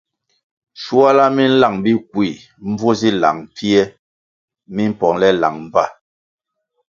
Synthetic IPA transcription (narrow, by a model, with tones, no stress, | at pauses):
ʃu˦a˦la˦mi˦n̩˦la˦˨ŋbi˦k̚wi˨ | m̩˦b͡vo˦zi˦la̰˨ŋpʰi˦ɛ˦ | mi˦m̩˦pɔ˨ŋlɛ˦la̰˨ŋm̩˦˨ba˦˨